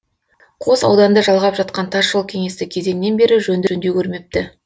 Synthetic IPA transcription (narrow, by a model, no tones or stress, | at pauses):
qʰo̞sɑ̰wd̪ɑnd̪əʒɑlˠʁɑpʒɑt̪qɑnt̪ʰɑsʒolˠkʲʰe̞ŋe̞st̪ɪkʲʰe̞ze̞nɪnːe̞nbe̞ɾɪʒɵnd̪ɵnd̪ekʲʰɵɾme̞p̚t̪ɪ